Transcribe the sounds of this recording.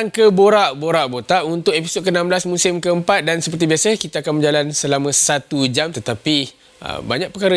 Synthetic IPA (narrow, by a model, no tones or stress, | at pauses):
aŋkəboɾaʔboɾaʔbot̪aʔunt̪ʊk̚episod̪̚kənãmblasmusɪmkəəmpat̪̚dansəpərt̪ibiasakit̪aːkanməd͡ʒalansəlamə̃sat̪ud͡ʒamt̪ət̪api | ə̰baɲaʔ̚pəkaɾə